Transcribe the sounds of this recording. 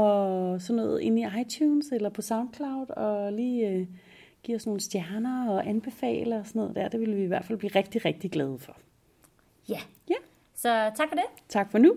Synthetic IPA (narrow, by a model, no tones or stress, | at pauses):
ɒ̽sɒ̽nːɔ̰ːð̩ˠʔe̝niɑ̈ɪt͡ɕʰuːnselɐpʰɒ̽sɑ̈ʊ̃nd̥̚kʰlɑ̈ʊd̥ɒ̽liːø | ɡ̥ḭːɒsno̝ːn̩sd̥jæɐnɐɒʔænb̥e̝fɛ̰ːləɒsɔno̰ːðˠd̥æ̰ɐd̥e̝ʋiləʋiːʋæɐd̥fæl̰b̥liːʁɛɡ̥̚d̥iʁeɡ̥̚d̥iɡ̥lɛːð̞̩ˠfɒ̽ | jæ | jæ | sɒ̽t͡sʰɑ̈ɡ̥fɒdet͡sʰɑ̈ɡ̥fɒnu